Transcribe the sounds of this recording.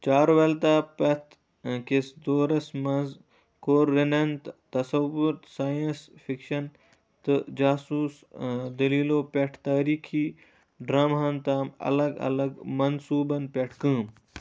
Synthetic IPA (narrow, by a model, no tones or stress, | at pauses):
t͡ʃaːɾʋɐlt̪aːpɐt̪ | kesd̪oːɾɐsmɐz | koːɾːinɐnt̪t̪ɐsɐʋʊɾt̪saːjɐnsfikʃɐn | t̪ɨd͡ʒaːsuːs | d̪ɐliːloːpɐʈʰt̪aːɾiːkʰiː | ɖɾaːmɦɐnt̪aːmɐ̰lɐɡɐ̰lɐɡmɐnsuːbɐnpeʈʰkɨ̃ːm